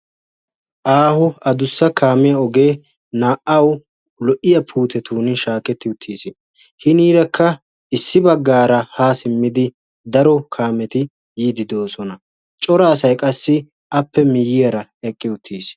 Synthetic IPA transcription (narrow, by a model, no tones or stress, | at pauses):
ʔaːhʊɐd̪ʊsːɐkʰaːmɪjɐɔɡe̞ː | naːʔɐw | lɔʔɪjɐpʰuːt̪ɛt̪uːnɪʃaːkɛt̪ːɪʊt̪ʰːiːsɪ | hɪniːɾɐkʰːɐ | ɪsːɪbɐɡːaːɾɐhaːsɪmːɪd̪ɪ | d̪ɐɾɔkʰaːmɛt̪ɪ | jiːd̪ɪd̪o̞ːsɔnɐ | t͡ʃʼɔɾaːsɐjkʼɐsːɪ | ʔɐpːɛmɪjːɪjɐɾɐɛkʼːɪʊt̪ʰːiːs